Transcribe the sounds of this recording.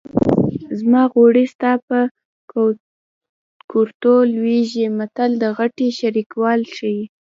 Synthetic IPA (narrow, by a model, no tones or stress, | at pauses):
zmɑɣoɽist̪ɑpə | koɾt̪olweʒimat̪ald̪əɣaʈiʃaɾikwɑlʃaji